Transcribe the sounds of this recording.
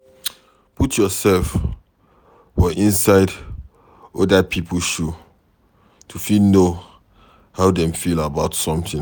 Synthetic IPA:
putʰjɔsɛlf | fɔʔĩnsaɪd | ɔdapʰipʰl̩ʃu | tʰufilno | haʊdɛ̃mfilabaʊtsɔ̃mtĩ

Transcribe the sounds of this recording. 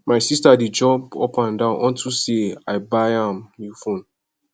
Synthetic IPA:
maɪsistadid͡ʒɔ̃bo̰pãndãʊ̃nʔɔ̃ntʰuseaɪbaɪãmjifõn

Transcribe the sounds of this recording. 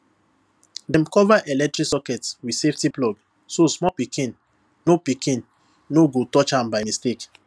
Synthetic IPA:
dɛ̃mkɔvaʔɛlɛk̚tɹiksɔkɛtswidseftiplɔɡ | sosmɔpikʰĩn | nopikʰĩnː | oɡotɔt͡ʃãmbaɪmistek

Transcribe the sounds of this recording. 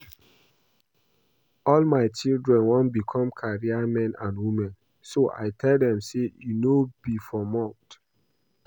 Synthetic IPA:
ɔlmaɪt͡ʃildɹɛ̃nwɔ̃nbikʰɔ̃mkʰaɹiamɛ̃nʔãnwimɛ̃n | soʔa̰ɪtʰɛldɛ̃msejunobifɔmɔ̃nt

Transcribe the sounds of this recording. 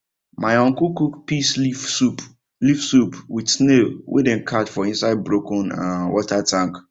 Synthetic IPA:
mãɪɔ̃ŋkukukpʰisup | lifsupʰwisnewʔḛdɛ̃nkʰatfɔĩnsaɪd̚bɾokʰɔ̃nã̰wʔɔtʰatʰãŋk

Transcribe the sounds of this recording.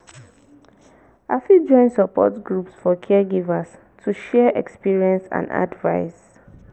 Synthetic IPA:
afid͡ʒɔ̃ɪ̃nsɔpɔ̰tɡɹupsfɔkʰɛɛɡivas | tʰuʃɛʔɛ̰kspiɹiɛ̃nsã̰nda̰dvaɪs

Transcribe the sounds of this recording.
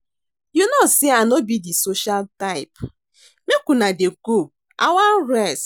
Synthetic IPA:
junɔsianobidisoʃaltaɪp | mekunadeku | awan̩ɾɛs

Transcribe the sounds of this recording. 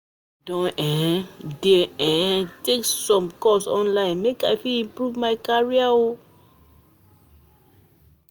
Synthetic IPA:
dɔ̃nɛ̃deɛ̃teksɔ̃mkɔsɔ̰̃nlãɪ̃nmekajfilĩmpɹuvmaɪkaɹiao

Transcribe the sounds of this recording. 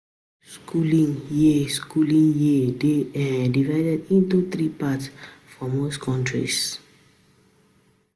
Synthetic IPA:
skʰulĩŋjiskulĩŋjideɛdivaɪdɛdĩntut̪ɾipatsfɔmoskʰɔ̃ntʰɹḭs

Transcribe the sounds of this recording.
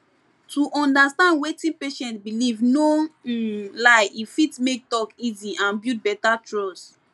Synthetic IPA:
tuʔɔ̃ndastãndwetĩnpeʃɛ̃ntbilivno | laɪifitmek̚tɔkiziʔãnbjut̚bɛtatɹɔs

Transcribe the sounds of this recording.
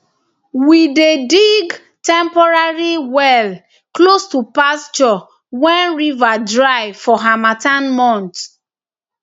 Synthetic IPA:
widediɡ | tɛ̃mpɔɹaɹiwɛl | klostupast͡ʃɔ | wɛ̃nɹivadɹaɪfɔɦamatãnmɔ̃nt

